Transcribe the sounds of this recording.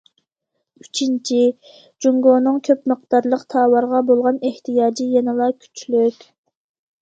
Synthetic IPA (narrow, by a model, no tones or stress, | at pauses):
yt͡ʃʰint͡ʃʰi | d͡ʒuŋɡonɨŋkʲʰøpməq̚t̪ɑɾlˠəqt̪ʰɑːwɑɾʁɑbolˠʁɑneht̪ʰɨjɑːd͡ʒijenɨlˠɑkʲʰy̥t͡ʃlykʲ